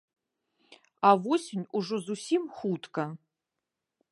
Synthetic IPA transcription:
avosʲɪnʲuʐozusʲimxutkʰɐ

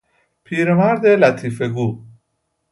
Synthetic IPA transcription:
pʰiːɾemæɾd̪elæt̪ʰiːfeɡuː

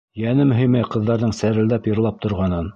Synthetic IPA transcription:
jænɘmɵ̆ɦijmɘqɤ̆ðːɑɾðɤɴsæɾɘ̆ld̪æpjɤ̆ɾlˠɑp̚t̪ŏɾʁɑnɤn

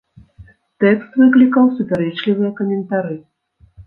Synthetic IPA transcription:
t̪ɛkst̪vɨklʲikɐwsupʲaɾɛt͡ʂlʲivɨjɐkɐmʲɛnt̪aɾɨ

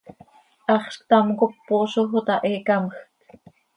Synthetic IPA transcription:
ʔɑχʃkt̪ɑmkopːoːʃoɦot̪ɑʔeːkaməxk

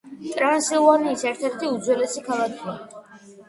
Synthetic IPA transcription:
t̪ʼɾansilˠvaniːsɛɾt̪ʰɛɾt̪ʰiud̪zwɛlɛsikʰalˠakʰia

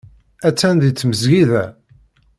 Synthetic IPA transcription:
æt͡sːænðit͡sːməzʝiðæ

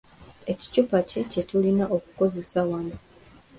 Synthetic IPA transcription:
e̞ci̥cupacece̞tulinaʔo̞ku̥ko̞ze̞sawana

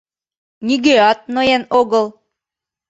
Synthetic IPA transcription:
niɡeɑt̪̚nojænoɣɤ̆lˠ

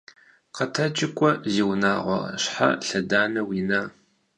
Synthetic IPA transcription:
qɐtʰɐt͡ʃʼɪkʷʼɔziːwnaːʁʷɔ̰ɕħa̰ɬɐdaːnɐwiːnaː

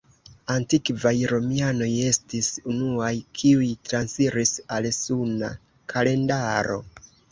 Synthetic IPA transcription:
antikvajɾo̞miano̞je̞stisunuajkʰiujtɾansiɾisalsuna̰ | kʰale̞ndaɾo̞̰

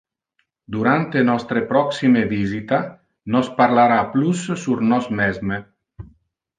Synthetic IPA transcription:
d̪uɾant̪enɔst̪ɾepɾɔksimevizit̪a | nɔspaɾlaɾaplusːuɾnɔsmɛzme

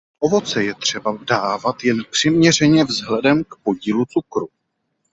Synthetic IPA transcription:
ʔo̞vo̞t͡sɛjɛt̪r̝̥ɛbadaːvat̪jɛnpr̥ɪmɲɛrɛɲɛvzɦlɛdɛmkpo̞ɟiːlut͡sukɾu

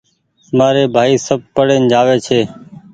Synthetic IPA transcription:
maːɾeːbʱaːiːsəb̚pəɽeːnd͡ʒaːʋeːt͡ʃʰeː

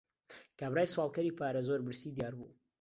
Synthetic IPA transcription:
kaːbɾaːjswɑːlˠkɐɾipaːɾɐzoɾbɨɾsiːd̪jaːɾbṵ

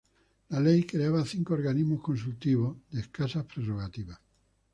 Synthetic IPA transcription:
lalejkɾeaβaθiŋkooɾɣaniɦmohkõns̬ult̪iβoðehkasahpɾeroɣat̪iβa

